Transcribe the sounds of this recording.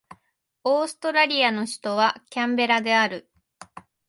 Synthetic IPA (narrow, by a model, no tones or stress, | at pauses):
o̞ːsɨ̥t̪o̞ɾaɾʲiano̞ɕi̥t̪o̞βakʲãmbe̞ɾad̪e̞aɾɯ̟